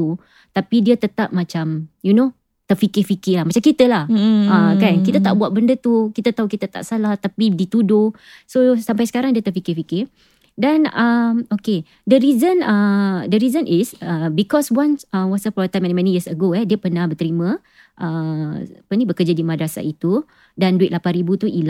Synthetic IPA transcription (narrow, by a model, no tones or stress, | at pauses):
u | t̪apidiət̪ət̪ap̚mãt͡ʃamjuno | t̪əfikɪfikɪlahmat͡ʃamkit̪əlahəkankit̪ət̪aʔbuaʔ̪̚bəndət̪ukit̪ət̪aukit̪ət̪a̰ʔsalaht̪apidit̪udo | sosampajsə̥kaɾaŋdiət̪əʔfikɪfikɪ | danəmoke | dəɾizənədəɾizə̃nʔisəbikɔswansəwɔsəpɔt̪amɛ̃nmɛ̃nijəsəɡoɛdiəpənahbət̪əɾimə̃ | ʔəapənĩbəkəd͡ʒadimadɾasa̰it̪u | danduɪt̪lapanɾibut̪uʔila